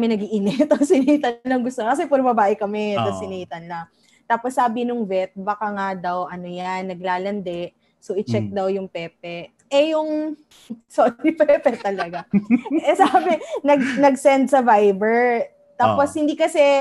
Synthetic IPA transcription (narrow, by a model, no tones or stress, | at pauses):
mɪnɐɡiʔɪnɛt̪osɪniːt̪ɐnlɐŋɡʊst̪okɐs̬ɛpɐɾbɐbaːʔɪkɐmɛt̪osɪniːt̪ɐnlɐ | t̪aːposːaːbɪnʊŋvɛt̪̚bɐkaŋad̪ɐwʔɐnojanːɐɡlaːlɐnd̪ɛʔ | soʔɪt͡ʃɛk̚d̪ɐwjʊŋpɛːp̚ɛ | ʔɛjʊŋ | soɾipɛpɛt̪ɐlɐɡaɛsaːbɛnɐɡnɐɡsɛnd̪̚sɐvajbɛɹ | t̪aːpposhɪnd̪iːkɐsɛ